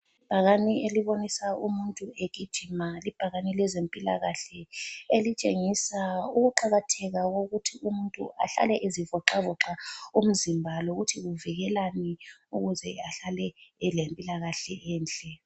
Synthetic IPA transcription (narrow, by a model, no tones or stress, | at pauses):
lib̥ʱaɣanieliβonisaumuntʼueɣʱid̥ʒ̥ʱimalib̥ʱaɣanilɛzempʼila̰ɣaɬɛelit͡ʃʼeŋisauɣuǃaɣatʰɛɣaɣoɣutʰiumuntʼṵʔa̰ɬa̰lɛʔezivɔǁavɔǁaum̩zimbʱaloɣutʰiɣuviɣɛlanɛuɣuzɛaɬalɛlempʼilaɣaɬɛʔɛːnt͡ɬʼɛ